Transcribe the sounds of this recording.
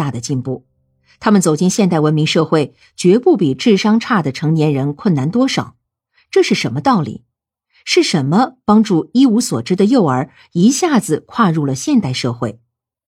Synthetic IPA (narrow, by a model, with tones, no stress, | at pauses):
a˥˩d̪ə˩t͡ɕi˥˧npu˥˩ | t̪ʰa˥mə˨nt͡so˨˩ʊt͡ɕi˥˧nɕjɛ˥˧nt̪a˥˩ɪwə˧˥nmi˧˥ŋʂɤ˥˧xwe˥˩ɪ | t͡ɕɥɛ˧˥pu˥˩pi˨˩ʈ͡ʂɻ̩˥˩ʂɑ˥ŋʈ͡ʂʰa˥˩d̪ə˩ʈ͡ʂʰɤ˧˥ŋnjɛ˧˥nɻə˧˥nkʰwə˥˩nna˧˥nt̪wɔ˥ʂɑ˨˩˦ʊ | ʈ͡ʂɤ˥˧ʂɻ̩˥˩ʂə˧˥nmə˧t̪ɑ˥˩ʊlḭ˨˩˦ | ʂɻ̩˥˩ʂə˧˥nmə˧pɑ˥ŋʈ͡ʂu˥˩i˥u˧˥swɔ̰˨˩ʈ͡ʂɻ̩˥d̪ə˨jo˥˩ʊə˞˨˩˥ | i˧˥ɕja˥˩d͡zɹ̩˨˩kʰwa˥˧ɻu˥˩lə˩ɕjɛ˥˧nt̪a˥˧ɪʂɤ˥˧xwe˥˩ɪ